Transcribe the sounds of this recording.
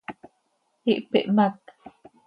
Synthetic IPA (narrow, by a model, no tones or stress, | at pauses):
iʔpḛʔmak̚